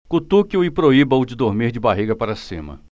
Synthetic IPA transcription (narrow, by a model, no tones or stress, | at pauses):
kut̪ukjʊɪpɾoibɐwd͡ʒɪd̪oɾmiɾd͡ʒɪbaɦiɡɐpaɾɐsḭ̃mɐ̰